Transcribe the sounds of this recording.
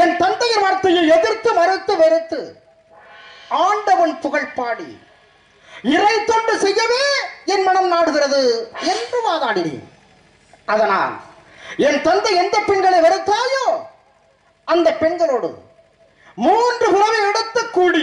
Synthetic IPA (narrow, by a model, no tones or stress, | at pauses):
ɛnt̪ɐnd̪ɐjɪɾʋaːɾt̪ːɐjɐɛðɪɾt̪ːɯmɐɾɪt̪ːɯʋɛɾɪt̪ːɯ | aːɳɖɐʋɐnpʊɣɐɭpaːɽḭ | ɪrɐɪt̪ːɔndrɯsɛjːɐʋeːɛnmɐɳɐmnaːɽɯɣɪrɐðɯɛndrɯʋaːðaːɽɪɽḭ | ɐðɐna̰ːl | ɛnt̪ɐnd̪ɐɪɛnd̪ɐpːɛɳɡɐɭɐɪʋɐɾɯt̪ːaːjoː | ɐnd̪ɐpːɛɳɡɐɭoːɽɯ̰ | muːndrɯpʊlɐʋɐɛɽɯt̪ːɐkːuːɽɪ